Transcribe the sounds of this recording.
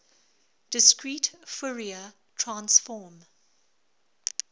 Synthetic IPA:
d̥ɪskɹiːtfʊɹiə | tʰɹãnsfɔːm

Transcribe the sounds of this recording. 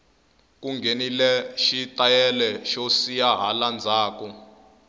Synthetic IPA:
k̬ʼuŋɡʱenilɛʃitʼajɛlɛʃosijaɦaland͡zʱaːk̬ɔ

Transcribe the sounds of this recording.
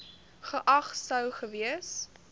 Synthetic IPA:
χəʔɐχsəwχəviəs

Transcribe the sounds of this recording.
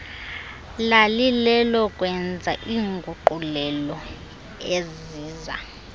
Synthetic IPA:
lalilɛlɔkʼwɛnd͡zʱaʔiːŋɡʱuǃulɛlɔ | ez | iːza̰

